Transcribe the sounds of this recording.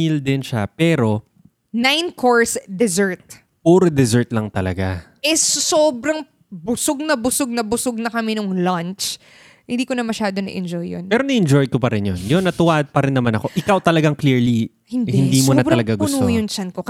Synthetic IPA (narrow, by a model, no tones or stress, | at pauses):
ild̪ɪnʃapɛːɾo̞ | najnkʰoɹsd̪ɛzɛɹt̪̚ | puːɾod̪ɛzɛɹt̪̚lɐŋt̪ɐlɐɡa | ɛssoːbɾɐŋ | bʊsoɡ̚nɐbʊsoɡ̚nɐbʊsoɡ̚nɐkɐmɛnʊŋlɐnt͡ʃ | hɪnd̪iːkonɐmɐʃaːd̪onɐ̰ʔɛ̰nd͡ʒojːo̰npɛːɾonɐʔɛnd͡ʒojkopɐɾɪnjonjonːɐt̪ʊwaːʔd̪̚pɐɾɪnːɐmanɐko̞ʔɪkawt̪ɐlɐɡaŋkliɹli | hɪnd̪hɪnimʊnɐtbɾɐlɐɡaɡʊsuːjʊnt͡ʃɐnkok